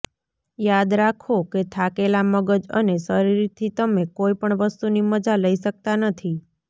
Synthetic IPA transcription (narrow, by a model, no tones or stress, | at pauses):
jad̪ɾakʰoket̪ʰakelaməɡəd͡ʒə̰nesəɾiɾit̪ʰit̪əmekoipəɳʋəst̪uniməd͡ʒaləiʃək̚t̪anət̪ʰi